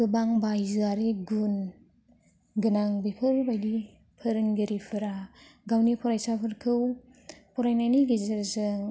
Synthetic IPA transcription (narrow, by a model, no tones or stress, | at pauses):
kɯbaŋbajzɯaɾiɡun | ɡɯnaŋbipʰɯɾbajli | pʰɯɾɯŋɡiɾipʰɯɾaɡawnipʰɔɾajsapʰɯɾkʰɯw | pʰɔɾajnajniɡizɯɾzɯŋ